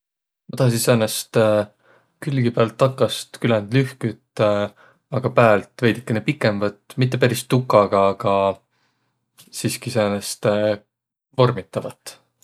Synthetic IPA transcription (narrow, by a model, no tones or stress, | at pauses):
ot̪ɑhs̬iseːnest̪ | kylɡipæːlt̪ːɑkːˑɑst̪kylænd̪lyhkyt̪ːˑ | ɑɡ̥ɑpæːlt̪ve̞jd̪i̥kːenepikːˑe̞mvɑt̪ːˑmit̪̬ːe̞pæɾist̪ːukːˑɑɡ̥ɑːɡ̥ɑ | siːskiseːnest̪ | vo̞rmit̪ːˑɑvɑt̪ːˑ